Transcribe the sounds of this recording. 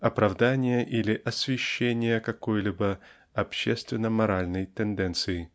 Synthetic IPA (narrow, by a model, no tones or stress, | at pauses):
ɐpɾɐvd̪anʲɪjəʔilʲɪʔɐsvʲɪɕːenʲɪjəkɐkojlʲibə | ɐpɕːest̪vʲɪnːəmɐɾalʲnəjt̪ɛnd̪ɛnt̪sɨɪ